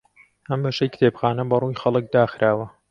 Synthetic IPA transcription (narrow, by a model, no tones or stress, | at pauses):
hɐmbɐʃejkɨ̥t̪ʰeːbxaːnɐbɐrujxɐlˠɨk̚d̪aːxɾʔaːwɐ